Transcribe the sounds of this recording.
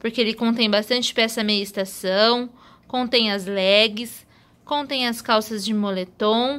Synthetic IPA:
poɾkeelɪkõnt̪ẽj̃bast̪ɐ̃nt͡ʃɪ̥pɛɛsɐmejɐɪst̪asɐ̃w̃ | kõt̪ẽj̃ɐzlɛɡɪs | kõt̪ẽj̃ɐskawsɐzd͡ʒɪmolet̪õw̃

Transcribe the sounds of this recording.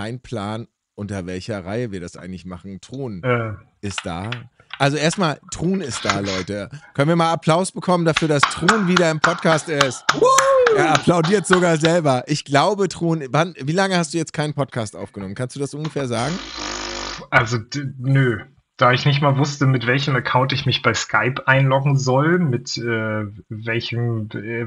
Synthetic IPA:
kaɪnpʰl̥aːn | ʔʊntɐvɛlçɐʁaɪəviːɐɾasʔa̰ɪɡŋ̩tlɪçmaχn̩tʁ̥uːnʔɛːʔɪstd̥a̰ː | ʔalzoʔeːɐstmaːltʁ̥uːnɪst̚d̥aːlɔʏtəkʰœnənviɐmaːlapl̥aʊsb̥əkʰɔməndafyːɐdastʁ̥uːnviːɾɐɪmpʰɔt̚kʰaːstɪst | eːɐʔapʰl̥aʊdiːɐtz̥oɡaːɐzɛlbɐʔɪçɡ̥laʊbətʁ̥uːnvanviːlaŋəhast̚d̥uːjɛt͡stkʰaɪnənpʰɔt̚kʰaːstʔa̰ʊfɡ̥ənɔmənkʰanstd̥uːdasʔʊnɡəfɛːɐzaːɡŋ̩ | ʔalzonø | d̥aːɪçnɪçtmaːlvʊstəmɪtv̥ɛlçəməɐkʰaʊntɪçmɪçb̥aɪskʰaɪpʔaɪnlɔkŋ̩zɔlmɪtʔɛːvɛlçəmɛ

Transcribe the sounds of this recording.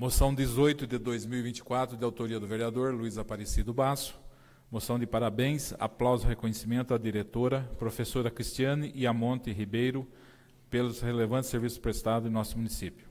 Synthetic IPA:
mosɐ̃w̃d̪ɪzojt̪ʊd̪ɪd̪ojzmiwivĩnt͡ʃɪ̥kwat̪ɾʊd̪ɪawt̪oɾiɐd̪ʊveɾiad̪oɾluizapaɾesid̪ʊbasʊ̥ | mosɐ̃w̃d̪ɪpaɾabẽj̃sa̰plawzʊhekõɲesimẽnt̪ʊɐd̪iɾet̪oɾɐpɾofesoɾɐkɾist͡ʃ̪iɐ̃nɪʔɪamõnt̪ɪɦibejɾʊ | pelʊshelevɐ̃nt͡ʃ̪ɪseɾvisʊ̥spɾest̪ad̪ʊɪ̃nɔsʊmũnisipjʊ

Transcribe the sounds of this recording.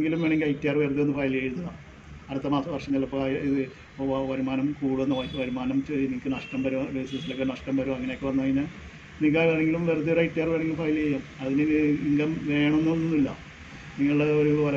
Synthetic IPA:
ŋɡilumʋeːɳeŋɡilɐjitːjaːrɨʋert̪ijenːɨfɐjljaːjiɾunːɐða | ɐɾɐt̪ːɐmaːsɐʋɐrʂɐɲːɐlːɐpːoɭjiðɨ | ʋɐɾumaːnɐmkuːɽuenːɐʋɐʋɐɾumaːnɐmt͡ɕenikʲːɨnɐʂʈɐmbɐɾumɾesɐsilokːenɐʂʈɐmbɐɾumɐŋːɐnejokːɨʋɐnːɐʋɐŋːinːa | nik̬ːaaɳeŋɡilumʋert̪ːijoɾɐjtːijaːrʋeːɳeŋɡilumfɐːjlejaːmɐðiniiŋɡɐmʋe̞ːɳɐonːonːonːilːɐ̰ | niŋːɐɭɨɽeoɾuʋɐ

